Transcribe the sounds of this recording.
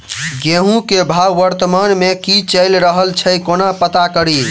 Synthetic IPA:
ɡeɦũkebʱawːəɾt̪əmanmekit͡ʃəɪlɾəɦəlt͡ʃʰəjkonapət̪akəɾi

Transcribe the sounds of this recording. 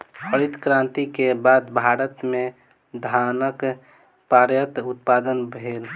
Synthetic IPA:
pəɾit̪kɾãːnt̪ikebaːd̪bʱaːɾət̪mẽ | d̪ʱanək | paɾjət̪ut̪̚paːd̪ənbʱeːl

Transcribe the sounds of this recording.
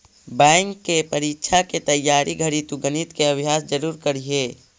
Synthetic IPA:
bɛ̃ːŋkːepɐɾiːkʃʰaket̪ɐjːaːɾʔiɡʱɐɽit̪uɡənit̪keɐbʱjaːsd͡ʒəɾuːɾkɐɾiɦeː

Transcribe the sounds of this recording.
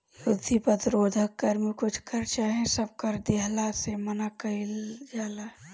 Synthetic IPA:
jʊd̪ʱːipəd̪ɾoːd̪ʱəkːəɾmekʊt͡ʃʰkəɾt͡ʃaːɦẽsəb̚kəɾd̪eɦlasemənakəɪld͡ʒaːla

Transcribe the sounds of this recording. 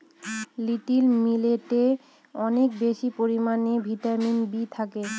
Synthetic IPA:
liʈilmileʈe | ɔnek̚beʃipoɾimanebʱit̪aminbit̪ʰake

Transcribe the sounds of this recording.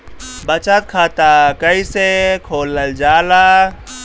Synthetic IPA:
bɐt͡ʃət̪̚kʰaːt̪akɐisekʰoːləld͡ʒaːlaː

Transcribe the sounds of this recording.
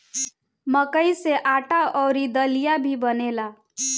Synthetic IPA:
məkəiseʔaʈaʔɔːɾid̪əlijabʱibənela

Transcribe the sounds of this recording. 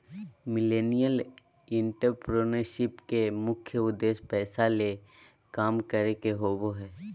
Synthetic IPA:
mɪleːnijəl | ɪ̃ɳʈəɾpɾoːnəɾʃɪpkemʊkʰːjəʊd̪ːeːʃpɛːsale | kaːmkəɾekeɦoːboɦɛː

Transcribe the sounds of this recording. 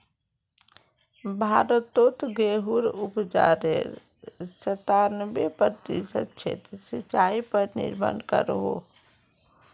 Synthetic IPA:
bʱaɾət̪ot̪ɡeɦuɾupd͡ʒa̰ɾḛɾ | sət̪aɾnəbepəɾt̪isət͡ʃʰḛt̪ɾsit͡ʃaipəɾnḭɾmə̰nkə̰ɾɦo

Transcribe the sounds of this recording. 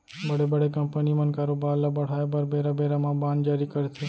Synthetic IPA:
bəɽebəɽekəmpənimə̃nkaɾobalabəɽ̤ajabəɾbeɾabeɾamãbãnd͡ʒaɾikəɾtʰe

